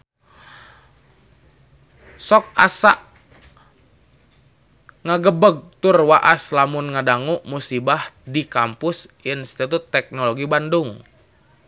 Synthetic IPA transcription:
sɔk̚asaʔ | ŋaɡəbəɡ̚t̪urwaʔaslamunŋadaŋuʔmusibahdikampʊsinst̪it̪ut̪ːɛk̚nɔloɡibanduŋ

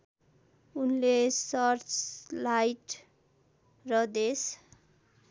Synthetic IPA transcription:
unlesʌrt͡slajʈ | rʌd̪es

